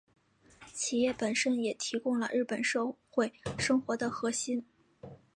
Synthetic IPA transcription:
t͡ɕʰi˨˩jɛ˥˩pə˨˩nʂə˥njɛ˨˩t̪ʰi˧˥kʊ˥˧ŋlə̰˨ɻ̩˥˩pə˨˩nʂɤ˥˧xwe˥˩ɪʂɤ˥ŋxwɔ˧˥d̪ə˧xɤ˧˥ɕi˥n

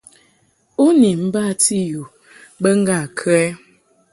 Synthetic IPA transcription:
o˦ni˨m̩˦ba˦˨ti˦ju˨ | bə˦ŋ̩˦ɡa˨kʰɛ˦

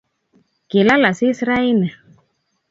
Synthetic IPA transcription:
ke˨la˦la˨si˦sɾa˦i˦nɛ˨

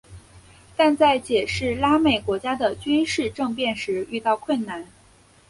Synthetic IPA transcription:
t̪a˥˧nt͡sa˥˩ɪt͡ɕjɛ˨˩ʂɻ̩˥˩la˥me˨˩ɪkwɔ˧˥t͡ɕja˥d̪ə˨t͡ɕy˥nʂɻ̩˥˧ʈ͡ʂɤ˥˧ŋpjɛ˥˩nʂɻ̩˧˥y˥˧t̪ɑ˥˧ʊkʰwə˥˩nna˥˩n

